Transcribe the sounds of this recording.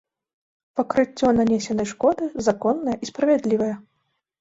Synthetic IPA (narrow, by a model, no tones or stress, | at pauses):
pɐkɾɨt͡sʲːɔnanʲesʲɛnɐjʂkɔd̪ɨzakɔnːɐjɐʔispɾɐvʲɛd̪lʲivɐjɐ